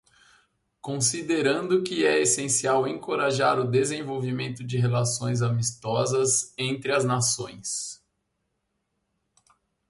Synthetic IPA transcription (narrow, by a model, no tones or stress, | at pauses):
kõsid̪eɾɐ̃nd̪ʊkɪɛesẽsiawẽkoɾaʒaɾʊd̪ezẽvowvimẽnt̪ʊd͡ʒɪɦelasõj̃zamist̪ɔzɐzẽnt̪ɾɪɐznasõj̃s